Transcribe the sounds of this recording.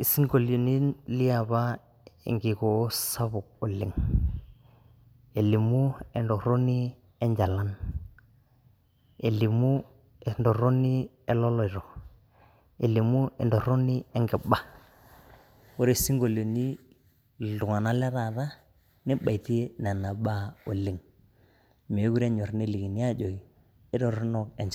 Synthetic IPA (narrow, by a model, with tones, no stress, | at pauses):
i˨si˦ŋɡo˨lo˨ni˦lɪ˦a˨ba˦ | ɛ̰˨ŋɡɪ˨kɔ˨˦sa˦βʊ˨k̚ʊ˨lɪ˨ŋ | e˨li˨mu˦ɛ˨ndɔ˨ɾo˦ni˦ | ɛ˦ɲd͡ʒa˨la˦n | e˨li˨mu˦ | ndɔ˨ɾo˦ni˦ | ɛ˦lɔ˦lɔ˨ɪ˨ɾɔ˨ | e˨li˨mu˦ɛ˨ndɔ˨ɾo˦ni˦ɛ˦ŋɡɪ˨ba˦ | wo˦ɾe˨si˦ŋɡo˨lo˨ni˦ | dʊ˨ŋa˨na˦lɛ˦ɾa˨ða˦ | nɪ˦ba˨i˨ti˦e˦na˨na˨ɓa˦o˨li˦ŋ | me˨˦ɡu˦ɾɛ˦ɲɔ˨ɾne˦li˨ki˨ni˦a˦d͡ʒo˨i˨ | ɪ˦dɔ˨ɾʊ˦nɔ˦kɛ˨ɲd͡ʒ